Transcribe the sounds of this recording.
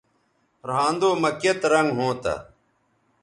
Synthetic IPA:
ɾãːnd̪oːməkjet̪ɾɐŋɡɦõːt̪a̰

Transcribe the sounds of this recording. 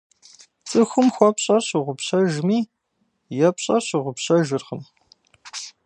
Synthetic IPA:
t͡sʼɨxʷʊmxʷɔpɕʼɐrɕiʁʷʊpɕɐʒmiː | jɛpɕʼɐɕiʁʷʊpɕɐʒɨrχəm

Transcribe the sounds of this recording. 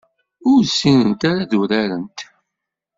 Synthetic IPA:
ʊɾsːinənt̪aɾaðuɾæɾənt̪

